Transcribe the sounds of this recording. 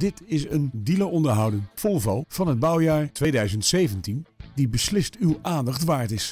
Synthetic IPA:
dɪtɪsəndiləɔndəɹɦʌwdənfɔlˠvɑlˠv̥ɑnɦəd̚bʌwjaːɹtʋejdœɥzəntsejvəntindibəslɪstywʔaːndɑχtʋaːɹtɪs

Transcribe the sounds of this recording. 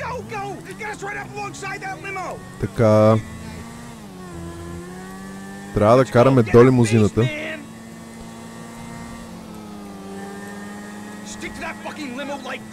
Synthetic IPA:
ɡ̥oʊɡoʊjɨɡɛəst̚ɹaɪɾʌpəlɔ̃ŋsaɪd̪̚ðətˡlɪ̃moʊ | t̪ɐka | t̪ɾʲavəd̪ɐkaɾɐmɛd̪ɔlimʊzinət̪ə̃n | stɪk̚tʰɨðətfʌkɪ̃ŋlɪ̃məlˠlaɪk̚

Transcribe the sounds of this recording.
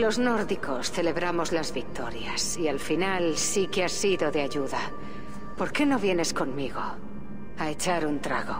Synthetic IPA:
lo̞zno̞ɾðiko̞sθe̞le̞βɾamo̞zlazβik̚t̪o̞ɾjasialfinalsikeasiðo̞ðeaʝuða | po̞ɾke̞no̞βje̞ne̞sko̞nmiɣ̞o̞ | ae̞t͡ʃaɾunt̪ɾa̰ɣo̞

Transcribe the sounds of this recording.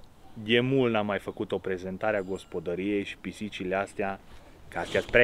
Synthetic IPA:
d̪emulnamːajfəkut̪o̞pɾe̞ze̞nt̪aɾeaɡo̞spo̞d̪əɾije̞jʃi̥pisit͡ʃileast̪ea | kast̪easpɾe

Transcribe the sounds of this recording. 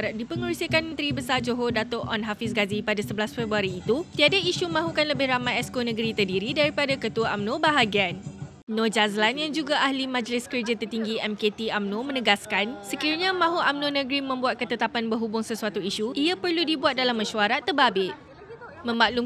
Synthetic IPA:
ɾat̪̚dipəŋəɾusiəkanmənt̪ɾibəsad͡ʒoɦodat̪ɔʔɔnɦafɪs̬ɡazipadasəbəlasfɛbuaɾiːt̪ut̪iadaiʃumãɦukanləbɪhɾamãjɛskonə̃ɡəɾit̪ərdiɾidaɾipadakət̪uaʔamnõbaɦaɡianː | od͡ʒazlanjaŋd͡ʒuɡaʔahlimãd͡ʒəlɪskərd͡ʒat̪ərt̪iŋɡiɛmket̪iamnõmə̃nəɡaskansəkiɾɲãmãɦuʔamnõnə̃ɡɾimə̃mbuat̪̚kət̪ət̪apanbərɦubʊŋsəsuat̪uiʃuiapərludibuat̪̚dalamːə̃ʃuaɾat̪ːərbabɪʔ | mə̃maʔlu

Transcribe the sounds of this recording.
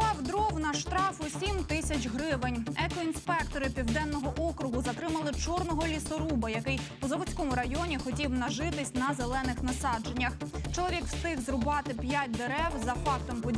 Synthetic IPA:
pɑwd̪ɾɔwnɐʃt̪ɾɑfʊsʲimt̪ɪsʲɐt͡ʃʲɦɾɪʋenʲɛkɔinspɛkt̪ɔɾɪpʲiwd̪ɛnːɔɦɔʔɔkɾʊɦʊzɐt̪ɾɪmɐlˠɪt͡ʃɔrnɔɦɔlʲisɔɾubɐjɐkɪjpʊzɐʋɔt͡sʲkɔmʊɾɐjɔnʲixɔtʲiwnɐʒɪt̪ɪsʲnɐzelˠɛnɪxnɐsɑd͡ʒe̞nʲːɐxt͡ʃɔlˠɔʋʲikwst̪ɪɣzrʊbɑt̪ɪpʲjat̚ʲd̪eɾɛwzɐfɑkt̪ɔmpɔ

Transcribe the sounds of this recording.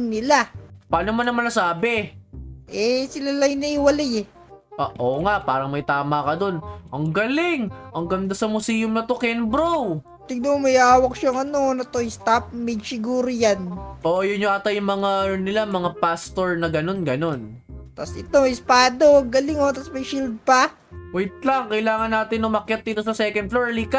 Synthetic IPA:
ŋnɪlapaːnomanːɐmanːɐsaːbɛ | ʔɛsɪlalɐŋnɐʔɪwɐlajɛ | ʔaʔoːŋaʔpaːɾɐŋmɐjt̪aːmakɐd̪o̞nʔɐŋɡɐlɪŋʔɐŋɡɐnd̪asɐmʊsiːjʊmnɐt̪okɛnbɾow | t̪ɪɡnomɐjaːwɐk̚ʃaŋɐnonɐt̪oɪst̪ap̚mɐɡsɪɡuːɾojanʔoʔɐjʊnjoʔat̪ɐjʊŋmɐŋaɐnɪlamɐŋapast̪oɹnɐɡɐno̞nɡɐno̞nt̪ɐsʔɪt̪oɪspaːd̪oɐŋɡɐlɪŋot̪ɐsmɐjʃild̪̚pɐ | wɛjt̪̚lɐŋkɐjlaːŋɐnːaːt̪ɪnːɐmɐkjɐt̪̚d̪iːt̪o̞sɐsɛːkɐnd̪̚floɹlika

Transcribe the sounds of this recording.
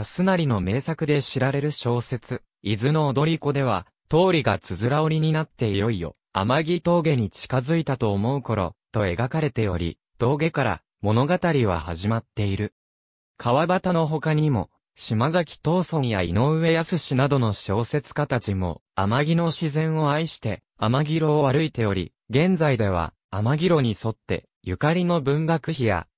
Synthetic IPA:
asɨnaɾʲino̞me̞ːsakɯ̟d̪e̞ɕiɾaɾe̞ɾɯ̟ɕo̞ːse̞t͡sɨ | izɨno̞ːd̪o̞ɾʲiko̞d̪e̞β̞a | t̪o̞ːɾʲiɡat͡sɨzɨɾaoɾʲiɲ̟inat̪ːe̞ijo̞ijo̞̰ | a̰maɡʲit̪o̞ːɡe̞ɲ̟it͡ɕi̥kazɨit̪at̪o̞ːmo̞ɯ̟ko̞ɾo̞̰t̪o̞e̞ɡakaɾe̞t̪e̞jo̞̰ɾʲḭ | t̪o̞ːɡe̞kaɾa̰ | mo̞no̞ɡat̪aɾʲiβa̰ha̰ʑimat̪ːe̞iɾɯ̟ | kʰaβabat̪ano̞ɦo̞kaɲ̟imo̞̰ | ɕimazakʲi̥t̪o̞ːso̞ɲijaino̞ɯ̟βe̞jasɨɕinad̪o̞no̞ɕo̞ːse̞t͡sɨ̥kat̪at͡ɕimo̞̰amaɡʲino̞ɕizẽ̞ɰ̃o̞aiɕi̥t̪e̞ | amaɡʲiɾo̞ːβaɾɯ̟it̪e̞jo̞ɾʲḭ | ɡẽ̞nd͡zaid̪e̞β̞a̰ | amaɡʲiɾo̞ɲ̟iso̞t̪ːe̞̰ | jɯ̟kaɾʲino̞bɯ̟̃ŋɡakɯ̟çija̰

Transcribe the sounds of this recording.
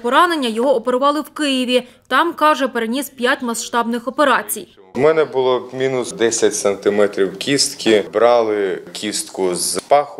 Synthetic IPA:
pɔɾɑne̞nʲːɐjɔɦɔɔpeɾʊʋɑlˠɪwkɪjɪʋʲi | t̪ɑmkɑʒɛpeɾenʲispʲjatʲmɐsʃt̪ɑbnɪxɔpe̞ɾɑt͡sʲij | mɛnɛbʊlˠɔmʲinʊsd̪ɛsʲɐtʲsɐnt̪ɪmɛt̪ɾʲiwkʲist̪kʲʰɪbɾɑlˠɪkʲist̪kʊzpɑxʊ

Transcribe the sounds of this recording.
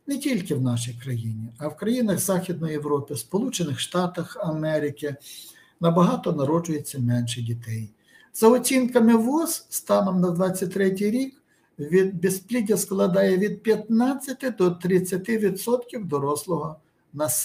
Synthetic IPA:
nɛtʲilʲkɪwnɑʃijkɾɐjinʲiɐwkɾɐjinɐɣzɑxʲid̪̚nɔjjewɾɔpɪspɔlˠut͡ʃenɪxʃt̪ɑt̪ɐxɐmɛɾɪkɪ | nɐbɐɦɑt̪ɔnɐɾɔd͡ʒʊjet͡sʲːɐmɛnʃɛdʲit̪ɛj | z̥ɐɔt͡sʲinkɐmɪʋɔsst̪ɑnɔmnɐd̪ʋɑt͡sʲːɐt̚ʲt̪ɾɛtʲijɾʲik | ʋʲid̪bʲesplʲidʲɐsklˠɐd̪ɑjɛʋʲid̪̚pʲjɐt̪nɑt͡sʲːɐt̪ɪd̪ɔt̪ɾɪt͡sʲːɐt̪ɪʋʲid̪sɔt̪kʲiwd̪ɔɾɔslˠɔɦɔ | nɐs

